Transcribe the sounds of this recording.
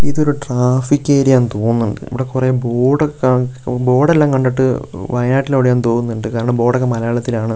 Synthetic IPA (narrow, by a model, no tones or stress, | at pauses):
iðo̞ɾuʈraːfikʲːeːɾijaːnt̪oːŋːunːuɳɖɨ̰ḭʋiɽekureboːɽokːabo̞ːɽelːaːŋkɐɳɖiʈːɨʋɐjnaːʈːilɐʋɽejaːnt̪oːŋunːuɳɖɨkaːɾɐɳɐmbo̞ːɽɐkːɐmɐlɐjaːɭɐt̪ːilaːɳɨ